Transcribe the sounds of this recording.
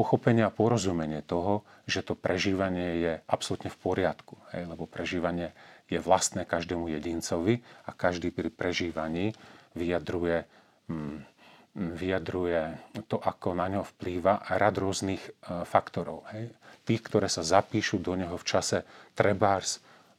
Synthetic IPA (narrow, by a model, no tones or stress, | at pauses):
pɔxɔpɛɲɪaapɔɾɔzumɛɲɪɛt̪ɔɦɔ | ʒɛt̪ɔpɾʔɛʒiːʋaɲɪɛjɛʔapsɔlut̪ɲɛfpɔɾɪat̪ku̥hɛ̰jlɛbɔpɾɛʒiːʋaɲɪɛjɛʋlast̪nɛːkaʒd̪ɛːmujɛɟint͡sɔʋiakaʒd̪iːpɾipɾɛʒiːʋaɲiːʋijad̪ɾujɛ | ʋijad̪ɾujɛt̪ɔʔakɔnaɲɔɦɔfpliːʋaɾad̪ɾʊɔzniːxfakt̪ɔɾɔ̰ʊhɛjt̪iːxkt̪ɔɾɛːsazapiːʃud̪ɔɲɛɦɔft͡ʃasɛt̪ɾɛbaːɾs